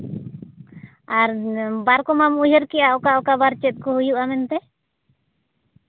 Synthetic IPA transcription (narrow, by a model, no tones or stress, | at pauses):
aɾbaɾkɔmamujəɾkijaɔkaɔkabaɾt͡ʃɛt̪̚kɔhujuʔamɛnt̪ɛ